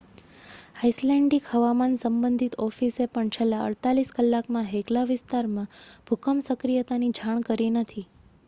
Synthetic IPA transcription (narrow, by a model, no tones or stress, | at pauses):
ajslɛɳɖikhəʋamansəmbənd̪ʱit̪ɔfisepəɳt͡ʃʰelːaə̰ɽt̪aliskəlːakmãɦeklaʋɪst̪aɾmãb̥ʱukʰəmsəkɾijət̪anid͡ʒʱãkəɾinət̪ʰi